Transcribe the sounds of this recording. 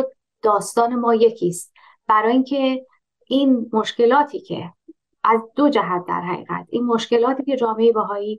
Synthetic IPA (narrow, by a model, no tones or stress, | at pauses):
d̪̥ɒːst̪ɒːne̞mɒːje̞cʰiːst̪̚ | b̥æɾɒːiːŋcʰe̞ | ʔiːnmoʃce̞lɒːt̪ʰiːcʰe̞̰ | ʔæzd̪od͡ʒæɦæt̪̚d̪æ̰ɾɦæ̰ɣḭːɣæ̰t̪ʰiːnmoʃke̞lɒːt̪ʰiːce̞d͡ʒɒːmeebæɦɒːiː